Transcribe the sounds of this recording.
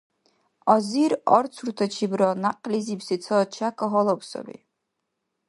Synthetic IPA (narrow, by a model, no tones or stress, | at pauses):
aziɾart͡sʰurt̪ʰat͡ʃʰibɾanaqʼlizipsit͡sʰat͡ʃʰakʰʼaɦɔlakʷsa̰lḭ